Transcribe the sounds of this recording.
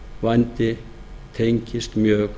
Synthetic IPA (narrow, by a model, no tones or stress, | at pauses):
vajnt̪ɪ | t̪ʰeɲcɪst̪mjœːk